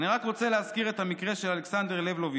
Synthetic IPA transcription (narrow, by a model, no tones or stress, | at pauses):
niʁakʁot͡se̞leɦazkiʁet̪hamikʁeʃelaleksand̪e̞ʁlevlovi